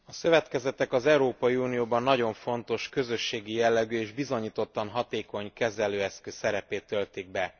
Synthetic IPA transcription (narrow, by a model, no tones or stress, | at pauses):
ɒsø̞vɛt̪kɛzɛt̪ɛkɒzɛuɾoːpɒjiuːnijoːbɒnːɒɟo̞ɱfo̞nt̪o̞ʃkø̞zø̞ʃːeːɡijɛlːɛɡyːeːʒbizo̞ɲiːt̪o̞t̪ːɒnɦɒt̪eːko̞ɲkɛzɛløːɛskøsɛɾɛpeːt̪ːølt̪iɡ̚bɛ